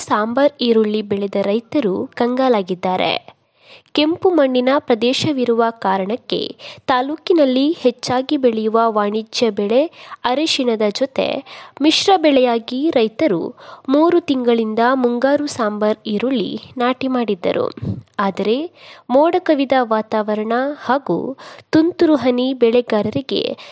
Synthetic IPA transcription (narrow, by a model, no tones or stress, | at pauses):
saːmbɐɾiːɾuɭːibɛɭed̪ɐɾɐjt̪ɐɾukɐŋɡaːlaːɡid̪ːaːɾḛ | ke̞mpumɐɳːinɐpɾɐd̪ɛːʃɐʋiɾuʋɐkaːɾɐɳɐkːe̞̰t̪aːluːkinɐlːihet͡ʃːaːɡibeɭejuʋɐʋaːɳid͡ʒjɐbɛɭe̞ɐɾeʃinɐd̪ɐd͡ʒɔt̪e̞̰miʃɾɐbɛɭɛjaːɡiɾɐjt̪ɐɾṵmuːɾut̪iŋɡɐɭind̪ɐmuŋɡaːɾusaːmbɐɾiɾuɭːḭnaːʈimaːɽid̪ːɐ̰ɾṵaːd̪ɐɾe̞moːɽɐkɐʋid̪ɐʋaːt̪aːʋɐɾɐɳɐhaːɡṵt̪unt̪uɾuɦɐnibɛɭeɡaːɾɐɾiɡe̞̰